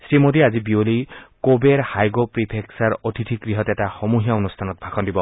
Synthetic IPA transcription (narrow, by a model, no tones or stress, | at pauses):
sɾimod̪iazibiolikobeɾhajɡopɾipʰeksaɾɔt̪ʰit̪ʰiɡɾiɦɔt̪etaxɔmuɦijaɔnust̪ʰanɔt̪̚bʱakʰɔnd̪ibɔ